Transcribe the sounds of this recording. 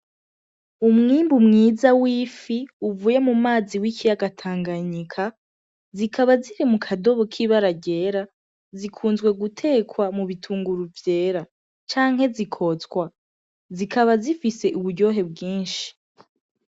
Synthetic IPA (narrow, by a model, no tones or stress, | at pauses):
umŋiːmbumŋiːzawiːfiuvuːjemumaːziwikʰijaɡatʰaːŋɡaɲikʰa | zikʰaβaziɾimukʰado̞βo̞kʰiβaɾaɟe̞ɾa | zikʰuːnzɡwe̞ɡutʰe̞ːkʰwamuβitʰuːŋɡuɾuvje̞ːɾa | t͡ʃaːŋ̥he̞zikʰo̞t͡skwa | zikaβazifise̞ʔuβuɟo̞ɦe̞b̚ɡiːnʃi̥